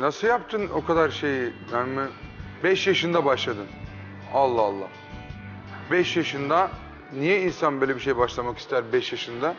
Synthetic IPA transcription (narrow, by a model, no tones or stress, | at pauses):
nasɯljapt̪ʰɯno̞kʰad̪aɾʃe̞jɪnænmɪ | bɛʃjaʃɯnd̪abaʃlˠad̪ɯn | alˠːaːlˠːa̰ | bɛʃjaʃɯnd̪a | nijɛinsanbøːlʲɛbiʃ̬e̞jbaʃlˠamaki̥st̪ʰæɾbɛʃjaʃɯnd̪a